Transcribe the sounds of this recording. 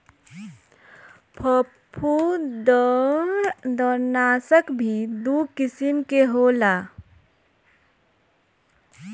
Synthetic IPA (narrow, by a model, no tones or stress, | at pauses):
pʰəpʰud̪ɔ | d̪ɔɾnaːsəkbʱid̪ukɪsɪmkeɦoːlaː